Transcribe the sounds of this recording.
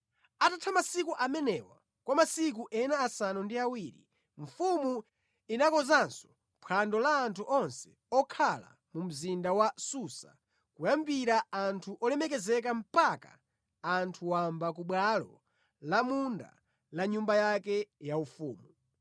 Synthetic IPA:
atatʰamasikuʔamɛnɛwa̰ | kwamasik̬uʔɛnaːsanundiawiɾḭ | ɱ̩fumu | inakɔzansɔ̥ | pʰandɔlaːntʰuʔɔnsɛ̥ | ɔkʰala̰ | mum̩zindawasusa̰ | kujambiɾaantʰuʔɔlɛmɛk̬ɛzɛk̬am̩paka̰ː | ntʰuwambak̬uɓwalɔ̰ | lamunda̰ | laɲumbajakɛjaufṵːmu

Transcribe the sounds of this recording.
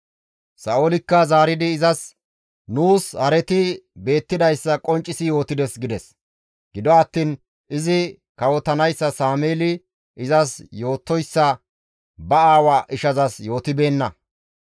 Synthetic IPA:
sɐʔolɪkːɐzaːɾɪd̪ɪːzɐs | nuːshɐɾɛt̪ɪbe̞ːt̪ːɪd̪ɐjsːɐkʼɔnt͡ʃʼːɪsɪjo̞ːt̪ɪd̪ɛsɡɪd̪ɛs | ɡɪd̪ɔɐt̪ːiːn | ʔɪzɪ | kɐwɔt̪ːɐnɐjsːɐsaːmeːlɪ | ʔɪzɐsjo̞ːt̪ːɔjsːɐ | bɐaːwaːʔɪʃɐzɐsjo̞ːt̪ɪbe̞ːnːɐ

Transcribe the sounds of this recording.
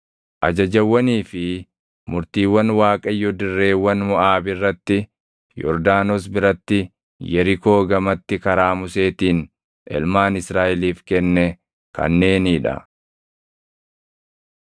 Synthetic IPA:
ʔɐd͡ʒɐd͡ʒɐwːɐniːfɪ | mʊɾt̪iːwːɐnwaːkʼɐjɔd̪ɪrːe̞ːwːɐnmʊʔaːbɪrːɐt̪ːɪ | jɔ̰ɾd̪aːnɔs̬bɪɾɐt̪ːɪ | jɛɾɪko̞ːɡɐmɐt̪ːɪkɐɾaːmʊse̞ːt̪iːn | ʔɛ̰lmaːnɪsɾaːʔɪliːfkɛnːɛ | kɐ̰nːe̞ːniːᶑɐ̰

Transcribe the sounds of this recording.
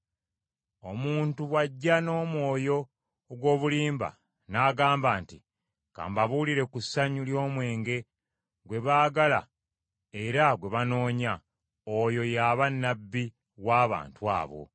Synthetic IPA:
o̞muːntuwaɟːano̞ːmwo̞ːjo̞ | ɡwo̞ːβuliːmba̰ | naːɡaːmbaːnti | ka̰ːmbaβuliɾe̞kusːaɲuljo̞ːmwe̞ːŋɡe̞ | ɡwe̞βaːɡala̰ | e̞ɾaɡwe̞βano̞ːɲa | ojo̞jaːβanːabːi | waːβa̰ːntua̰ːβo̞̰

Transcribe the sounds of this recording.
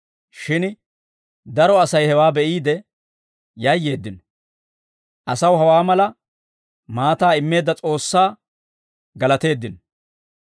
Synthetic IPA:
ʃɪn | d̪ɐɾɔɐsɐjhɛwaːbɛʔiːd̪ɛ | jɐjːe̞ːd̪ːɪnɔ | ʔɐsɐwɦɐwaːmɐlɐ | maːt̪aːɪmːe̞ːd̪ːɐt͡sʼo̞ːsːaː | ɡɐlɐt̪e̞ːd̪ːɪn

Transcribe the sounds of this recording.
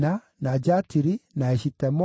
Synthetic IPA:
na | nad͡ʒatiɾinaeʃitɛmɔ

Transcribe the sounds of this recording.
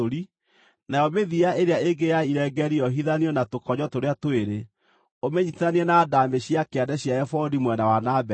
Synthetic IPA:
oɾi | najɔmeðiaʔeɾeaeɡejaiɾɛɡɛɾiɔɦiðaniɔnatokɔɲɔtoɾeatoeɾe | omeɲitaniɛnaːdameɕiakeadɛɕjaɛfɔdimwɛnawanabɛ

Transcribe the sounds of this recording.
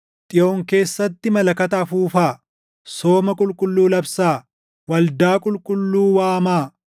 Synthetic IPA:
t̪ʼɪʔoːŋke̞ːsːɐt̪ːɪmɐlɐkɐt̪ɐfuːfaː | so̞ːmɐkʼʊlkʼʊlːuːlɐbsaː | wɐld̪aːkʼʊlkʼʊlːuːwaːmaː

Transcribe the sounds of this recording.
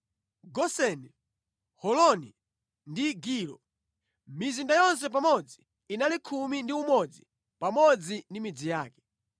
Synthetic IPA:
ɡɔsɛnɛ | hɔlɔni | ndiɡiːlɔ̰ | mizindajɔns̬ɛp̬amɔd͡ziː | nalikʰumindiumɔd͡zi | pamɔd͡zindimid͡zijaːkɛ̥

